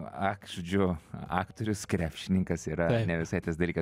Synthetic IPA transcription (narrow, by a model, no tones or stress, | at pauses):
ɑːkʒʊd͡ʒʲʊɑːkt̪oːɾʲʊskɾʲæːpʲʃʲɪnʲɪŋkɐsiːɾɐnʲɛʋʲɪsɐɪt̪ɐsd̪ɐlʲiːkɐ